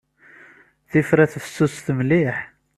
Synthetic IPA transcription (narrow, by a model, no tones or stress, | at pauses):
θifɾæθəfə̥sːʊsθəmliħ